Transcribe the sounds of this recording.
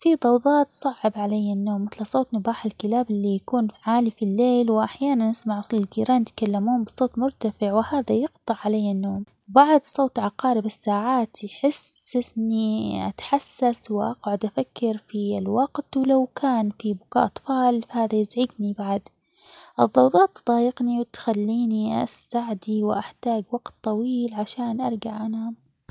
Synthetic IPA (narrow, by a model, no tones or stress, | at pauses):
fid̪ˤɑwðˤɑːt̪sˤɑʕʕɪbʕalajːanːoːmːɪθlsˤoːt̪ˤnʊbaːħɪlkɪlaːbʔɪlːijakuːnʕaːlifilːeːlwʔaħjaːnanʔɪsmaʕʔsˤlɪlɡiːɾɑːnɪt̪kalːamuːmbɨsˤoːt̪ˤmʊɾt̪afɪʕwɪhaːðajɪɡt̪ˤɨʕːalajːanːoːm | baʕd̪sˤoːt̪ʕɑqɑːɾɪbɪsːaːʕaːt̪jħɪsːɪnːiʔa̰t̪ħasːaswɪʔaqʕʊd̪ʔafakʰːɑɾfilwɑɡt̪wlawkʰaːnfibʊkaːʔɑt̪ˤfɑːlfahaːðajɪzʕɪɡnibaʕd̪ | ʔɨðˤːɑwd̪ˤɑːt̪d̪ˤɑːjɪɡniwɪt̪xalːiːniʔa̰saʕd̪iwʔaħt̪aːɡwɑɡ̥t̪ˤːɑwiːlʕaʃaːnʔɑɾˤɡaʕʔanam